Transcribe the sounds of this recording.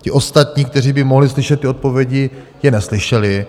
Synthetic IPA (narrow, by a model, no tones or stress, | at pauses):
cɪʔo̞st̪at̪ɲiːk̚t̪ɛr̝iːbɪmoɦlɪslɪʃɛt̪ːɪo̞t̪̚po̞vjɛɟɪ | jɛnɛslɪʃɛlɪ